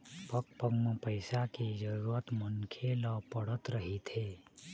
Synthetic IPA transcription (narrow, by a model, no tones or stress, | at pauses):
pək̚pəɡməpəɪsakid͡ʒəɾuət̪mənkʰelapəɽ̤ət̪ɾəɦit̪ʰeː